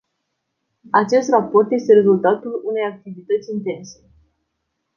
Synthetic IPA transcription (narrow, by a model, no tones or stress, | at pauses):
at͡ʃe̞st̪rapo̞rt̪je̞st̪e̞ɾe̞zult̪at̪ulune̞jak̚t̪ivit̪ət̪sʲint̪e̞nse̞